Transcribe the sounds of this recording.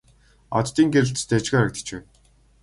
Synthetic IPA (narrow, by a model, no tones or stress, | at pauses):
ɔt̪t̪iːŋɡeɾɘ̆ɬt̪st̪ʰæt͡ɕɣeːɾə̆k̚t̪ə̥̆t͡ɕpæ̰ːn